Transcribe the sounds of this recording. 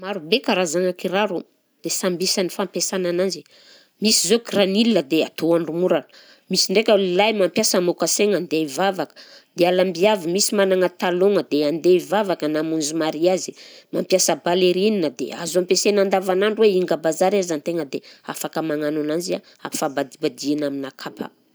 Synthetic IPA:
maɾubekaɾazaŋakiɾaɾu | d̪̥esambisanifampesanananzi | misizoɡranilinəd̪ea̰t̪uanrumuɾan | misiɳɖ͡ʐekʲəlilajmampjasəmokaseŋand̪evavakə̥d̪ealambiavimisimanaŋət̪aloŋəd̪eand̪evavakənamunzumaɾiazimampjasəbaleɾininəd̪ḛa̰zampesenand̪avanaɳɖ͡ʐuweiŋɡəbazaɾiazant̪eŋəd̪eafakəmaŋanunanzia | a̰fabad̪ibad̪ianaminakʰapʰa̰

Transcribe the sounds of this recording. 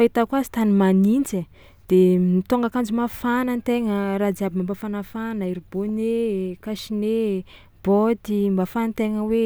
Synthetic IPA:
fait̪akuazi̥t̪animanind͡ʒe | d̪̥emit̪oŋɡakand͡ʒumafanant̪eŋəɾad͡ziabimambafanafanəiɾibonekaʃine | b̥ot̪imbafant̪eŋəwe

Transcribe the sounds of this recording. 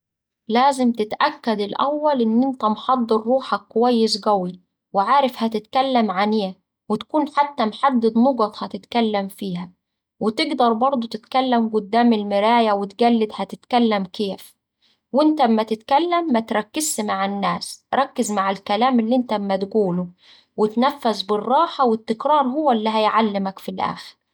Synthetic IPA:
læːzɪmt̪ɪt̪ʔækːæd̪ɪlʔæwːælʔɪnːʔɪnt̪æmħɑd̪ˤːɨɾːuːħækːʊwæjːɪs̬ɡæwi | wɪʕaːɾɪfhæt̪ɪt̪kælːæmʕaneː | wɪt̪kuːnħat̪ːæmħad̪ːɪd̪noɡɑt̪ˤhæt̪ɪt̪kælːæmfiːhæ | wɪt̪ɪɡd̪ɑɾˤbɑɾˤd̪ˤot̪ɪt̪kælːamɡʊd̪ːaːmɪlmɪɾæːjawɪt̪ɡælːɪd̪hæt̪ɪt̪kælːæmkeːf | wɪnt̪æmːæt̪ɪt̪kælːæmːæt̪ɾˤɑkːɪzːmaʕɪnːæːsɾˤɑkːɪzmaʕalkælaːmɪlːiʔɪnt̪æmːæt̪ɡuːlʊ | wɪt̪næfːazbɪrˤːɑːħawɪt̪ːɪkɾˤɑːɾˤhʊwːælːiɦæjʕalːɪmækfilʔæ̰ːxɪɾ

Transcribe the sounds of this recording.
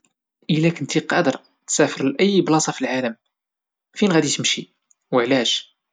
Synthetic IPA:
ʔəlækənt̪iqɑd̪əɾˤ | t̪sæfəɾlʔəjːblɑsˤɑfilʕaləm | finɣæd̪it̪əmʃi | wəʕlæʃ

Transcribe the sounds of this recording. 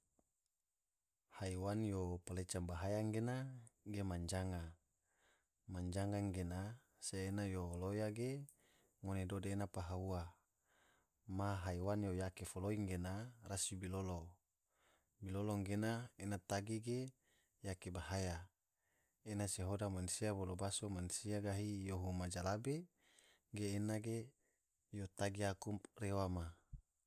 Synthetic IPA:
haiwanjopalet͡ʃambaɦajaŋɡenaɡemaɲd͡ʒaŋa | maɲd͡ʒaŋaŋɡena | seːnajolojaɡe | ŋonedodeːnapaɦaua | maɦaiwanjojakefoloiŋɡenarasibilolo | biloloŋɡenaenat̪aɡiɡe | jakebaɦaja | enaseɦodamansiabolobasomansiaɡaɦijoɦumad͡ʒalabe | ɡeːnaɡe | jot̪aɡiakumrewama

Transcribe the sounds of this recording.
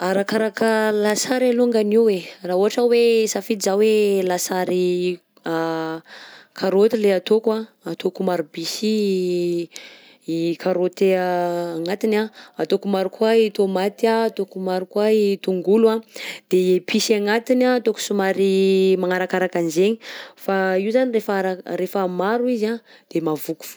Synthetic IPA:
aɾakaɾakəlasaɾaluŋɡaniwwerauɦaʈ͡ʂəwesafiizawelasaɾi | a | kʰaɾot̪ileat̪okwa | at̪okumaɾubisi | ikʰaɾot̪ː | ŋat̪inaat̪okumaɾukwait̪omat̪iaːt̪okumaɾukwait̪uŋɡuluad̪̥epʰisaŋat̪inaːt̪oku̥sumaɾimaŋaɾakaɾakanzeɲifaiuzanirefaɾaɾefamaɾuizad̪̥emavuku̥fu̥

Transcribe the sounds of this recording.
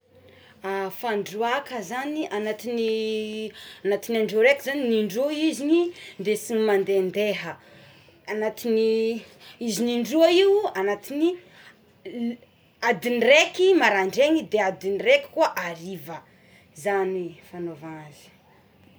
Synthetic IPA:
afaɳɖ͡ʐuakəzaniʔanat̪ini | anat̪inaɳɖ͡ʐuɾekizaniniɳɖ͡ʐuizinind̪esiŋimand̪end̪eɦə | anat̪ini | iziniɳɖ͡ʐuaiwuanat̪ini | ad̪inirekimaɾaɳɖ͡ʐeŋid̪ead̪iniɾekʲi̥kuaʔaɾivə | zanifanovazi̥

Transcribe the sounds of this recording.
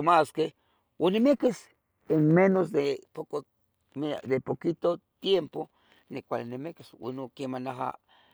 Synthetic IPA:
omaske | wonemekes | enmenosd̪epoko | d̪epokit̪ot̪jempo | nekʷalinemekeswṵnokemanaɦa̰

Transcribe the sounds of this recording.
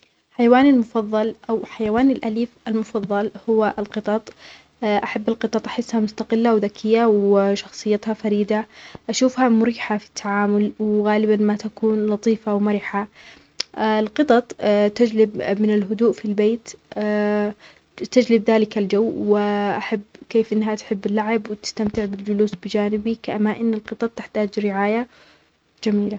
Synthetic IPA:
ħajawaːnalmʊfɑðˤːɑlʔawħajawaːnɪlʔaliːfʔalmʊfɑðˤːɑlhʊwaʔɪlqɨt̪ˤɑt̪ˤː | ʔaħabːalqɨt̪ˤɑt̪ˤʔaħɪsːhamʊst̪aqɪlːawðakʰɪjːawɪʃɑxsˤɨjːat̪hafaɾiːd̪aʔaʃuːfhamʊɾiːħafi̥t̪ʰːaʕaːmʊlwɣaːlɪbanmat̪akuːnlɑt̪ˤiːfawmaɾɪħa | lqɨt̪ˤɑt̪ˤt̪ad͡ʒlɪbmɪnɪlɦʊd̪uːʔfilbeːt̪ː | t̪ad͡ʒlɪbðaːlɪkald͡ʒawːwɪʔaħabːkeːfʔɪnːɦat̪ħɪbːɪlːaʕɪbwɪt̪ɪ̥st̪amt̪ɪʕbɪld͡ʒʊluːsbɪd͡ʒaːnɪbikʔamːaʔɪnːɪlqɨt̪ˤɑt̪̚ˤːɪħt̪aːd͡ʒɾɪʕaːja | d͡ʒamiːla

